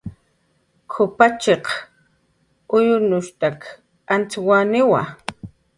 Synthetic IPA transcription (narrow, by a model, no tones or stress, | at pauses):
kʰʊpat͡ʃeq | ʊjʊnʊʃt̪ak | ant͡swanɪwa̰